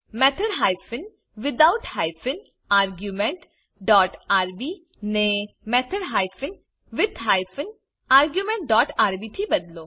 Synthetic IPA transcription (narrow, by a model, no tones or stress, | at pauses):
mɛt̪ʰəɾɦaːjfɪ̃n | ʋɪd̪aʊʈhaːɪfɪn | aːɾɡjumɛ̃ɳʈ | ɖɔːʈaːɾbiː | nẽ | mɛt̪ʰəɾɦaːjfɪn | ʋɪd̪ɦaːjfɪn | aːɾɡjumẽɳʈ̚ɖɔːʈaːɾbiːt̪ʰibɐd̪loː